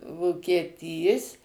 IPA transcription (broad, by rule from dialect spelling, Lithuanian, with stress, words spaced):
ʋoːkʲiɛˈtʲiːs